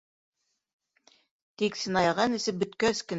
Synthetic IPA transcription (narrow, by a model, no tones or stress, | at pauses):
t̪iksɘ̆nɑjɑʁɑnɘ̆sɘp̚bɵ̆t̪kæskɘ̆n